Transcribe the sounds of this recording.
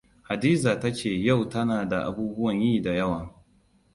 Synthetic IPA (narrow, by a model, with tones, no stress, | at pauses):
ha˨diː˦zaː˨tɐ˦t͡ʃeː˨ja˦˨wtɐ˦naː˨da˨ʔa̰˨buː˦bʊ˦wɐ˨ɲjiː˦˨da˨jɐ˦waː˨